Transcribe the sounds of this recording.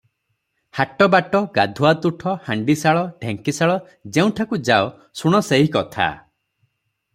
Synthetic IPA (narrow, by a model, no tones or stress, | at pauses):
haʈɔbaʈɔɡad̪ʱuat̪uʈʰɔhaɳɖisaɭɔɖʱeŋkisaɭɔ | d͡ʒeũʈʰakud͡ʒao | suɽ̃ɔseɦikɔt̪ʰa̰